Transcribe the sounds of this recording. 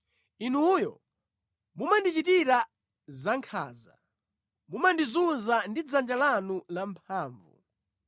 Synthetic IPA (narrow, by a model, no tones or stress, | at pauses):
inuːjɔ̰ | mumandit͡ʃitiɾa | zaŋkʰa̰ːza̰ | mumandizunzandid͡zand͡ʒalanulampʰaːɱvṵ